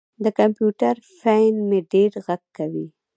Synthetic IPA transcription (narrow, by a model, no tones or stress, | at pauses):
d̪əkampjuʈaɾfajnmeɖeɽɣaɡkːawi